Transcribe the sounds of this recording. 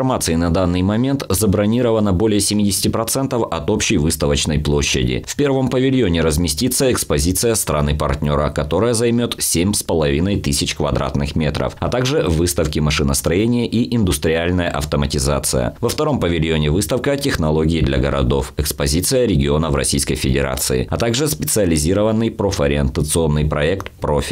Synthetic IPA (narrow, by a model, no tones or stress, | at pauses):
ɐrmat̪sɨɪnɐd̪anːɨjmɐmʲe̞nt̪zəbɾɐnʲiɾəvənəbo̞lʲɪjəsʲɪmʲidʲɪsʲɪ̥tʲɪpɾɐt̪sɛnt̪əfɐt̪o̞pɕːɪjvɨst̪əvət͡ɕnəjplˠo̞ɕːɪ̰dʲɪ̰fʲpʲe̞rvəmpəvʲɪlʲjonʲɪɾəzmʲɪsʲtʲit̪səɛkspɐzʲit̪sɨjəst̪ɾɐnɨpɐrt̪ʲnʲo̞ɾəkɐt̪o̞ɾəjəzɐjmʲo̞t̪sʲemʲspəlˠɐvʲinəjt̪ɨsʲɪt͡ɕkvɐd̪ɾʔa̰t̪nɨxmʲe̞t̪ɾə̰fɐt̪aɡʐɨvɨst̪əfkʲɪmɐʂɨnəst̪ɾɐjenʲɪjəʔiʔɪnd̪ʊst̪ɾʲɪalʲnəjəʔɐ̰ft̪əmətʲɪza̰t̪sɨjə̰vəft̪ɐɾo̞mpəvʲɪlʲjonʲɪvɨst̪əfkətʲɪxnɐlˠo̞ɡʲɪːd̪lʲɐɡəɾɐ̰d̪o̞fɛkspɐzʲit̪sɨjəɾʲɪɡʲɪo̞nəvrɐ̰sʲijskəjfʲɪdʲɪ̰ɾa̰t̪sɨɪ̰ɐt̪aɡʐɨspʲɪt̪sɨɐlʲɪzʲiɾəvənːɨjpɾofɐɾʲɪɪnt̪ət̪sɨo̞nːɨjpɾɐɛkt̪pɾofʲɪ